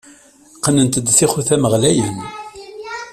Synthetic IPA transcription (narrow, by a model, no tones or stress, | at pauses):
qənənt̪əd̪θiχuθæməʁlæjən